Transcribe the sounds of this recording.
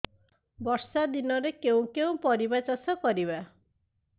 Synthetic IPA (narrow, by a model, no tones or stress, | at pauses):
bɔɾsad̪inɔɾekeũkeũpɔɾibat͡ʃasɔkɔɾiβa